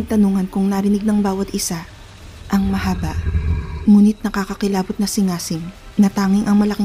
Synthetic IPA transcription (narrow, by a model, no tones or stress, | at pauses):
t̪ɐnuŋɐnkʊŋnɐɾɪnɪɡ̚nɐŋbaːwɐt̪ɪsa | ʔɐŋmɐhaːbɐʔmuːnɪt̪̚nɐkakɐkɪlaːbʊt̪̚nɐsɪŋaːsɪŋnɐt̪aːŋɪŋʔɐŋmɐlɐkɪ